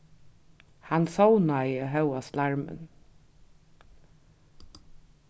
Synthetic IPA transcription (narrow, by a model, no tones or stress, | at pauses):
hansownaɪjəɦœwaslaɹmə̰n